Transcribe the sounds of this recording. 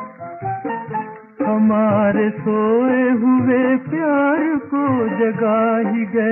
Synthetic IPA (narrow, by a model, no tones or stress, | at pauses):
hɐmaːɾesoːeɦʊʋepjaːɾkod͡ʒɐɡaːɦiɡɐe